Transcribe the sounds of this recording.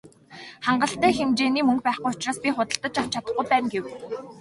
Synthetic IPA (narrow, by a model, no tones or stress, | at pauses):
χaɴɢə̆ɬt̪æːxemt͡ɕeːniːmɵŋk̚pæːχqujʊt͡ɕraːspʲiχʊt̪ə̆ɬt̪ə̆t͡ɕawt͡ɕʰat̪ə̆χɡujpæːmɡew